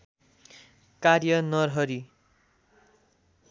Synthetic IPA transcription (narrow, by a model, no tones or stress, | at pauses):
karjʌnʌrɦʌɾi